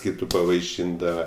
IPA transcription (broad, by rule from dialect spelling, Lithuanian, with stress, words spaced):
ˈkʲiːtʊ pɐʋɐɪˈʃʲɪndɐʋɐ